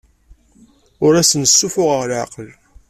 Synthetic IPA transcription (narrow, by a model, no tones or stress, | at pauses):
ʊɾæsənəsːufʊʁəʁlʕqəl